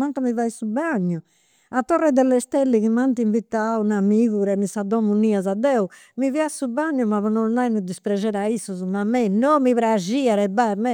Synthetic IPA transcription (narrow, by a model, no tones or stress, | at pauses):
maŋkamivajsubaɲːu | at̪ːɔrɛd̪ɛlːɛst̪ɛlːiɣimant̪iɱvit̪aunamiɣuɾɛmisad̪ɔmuniazad̪ɛu | miviasubaɲːumaβɔnɔajnud̪ispɾɛd͡ʒɛɾaisːuzumamɛnɔmiβɾaʒiaɾɛbamɛ